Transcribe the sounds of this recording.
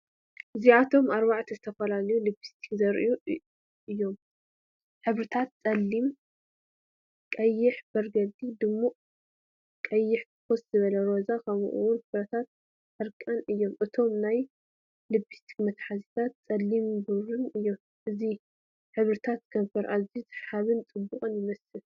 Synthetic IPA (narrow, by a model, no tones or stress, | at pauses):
ʔɨziat̪ʰo̞maɾbaʕt̪ʰizɨt̪ʰɐfɐlalɐjulɨbist̪ʰi̥kzɐɾʔɨju | ɨjːo̞m | ħɨβɾɨt̪ʰat̪̚t͡sʼɐlːim | kʼɐjːɪħb̥ɐɾɡɐld̪ʼid̪ɨmːuʔʼ | kʼɐjːɪħk̪ʰɨ̥koszɨβɐlɐɾo̞zakʰɐβ̰ʔṵwʊnħɨβɾɐt̪ʰat̪̚ | ħɨɾkʼanɨjːo̞mʔɨt̪ʰo̞mnaj | llɨbist̪ʰi̥kmɐt̪ħazit̪ʰat̪̚t͡sʼɐlːimbɨɾuɨjːo̞m | ʔɨzi | ħɨβɾɨt̪ʰat̪̚ɡ̥ɐmbɐɾʔazizħaβɨnt͡sʼɨbːukʼɨnjɪmɐsɨl